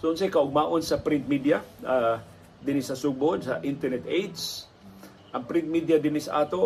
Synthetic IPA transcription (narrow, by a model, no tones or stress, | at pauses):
soʊnsɐjkɐʔʊɡ̚maːʔonsɐpɾɪnt̪̚mid̪jɐa | d̪ɪnɪsɐsuɡ̚bod̪sɐʔɪnt̪ɛɹnɛt̪ejd̪s | ʔɐŋpɾɪnt̪̚mid̪jɐd̪ɪnɪsɐʔaːt̪o